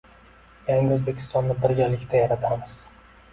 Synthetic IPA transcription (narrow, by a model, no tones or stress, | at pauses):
jaŋɡʲɪɵzbe̞kʲʰɪ̥st̪ɒnːɪbɪɾɡʲalɪkʲt̪ʰajaɾat̪ʰamɪz̥